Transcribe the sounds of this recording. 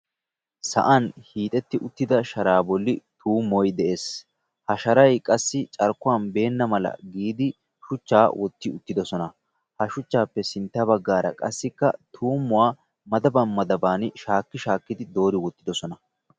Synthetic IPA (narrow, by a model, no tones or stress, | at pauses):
sɐ̰ʔɐnhiːt̪ʼɛt̪ːɪʔʊt̪ːɪd̪ɐʃɐɾaːbɔlːɪt̪uːmːɔjd̪ɛʔe̞ːs | hɐʃɐɾɐjkʼɐsːɪt͡ʃʼɐɾkːʊwanbe̞ːnːɐmɐlɐ̰ɡiːd̪ɪ | ʃʊt͡ʃːaːwʔɔt̪ːɪʊt̪ːɪd̪ɔsɔnɐ | hɐʃʊt͡ʃːaːpːɛsɪnt̪ːɐbɐɡːaːɾɐ̰kʼɐ̰sːɪkːɐt̪ʰuːmːʊwaː | mɐd̪ɐbɐnmɐd̪ɐbaːnɪʃaːkːɪʃaːkːɪd̪ɪd̪o̞ːɾɪwɔt̪ːɪd̪ɔsɔnɐ